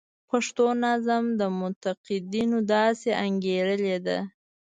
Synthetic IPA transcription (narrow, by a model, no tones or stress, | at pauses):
paʂt̪onazamd̪əmʊnt̪aqɪd̪inod̪ɑseʔaŋɡeɾəled̪a̰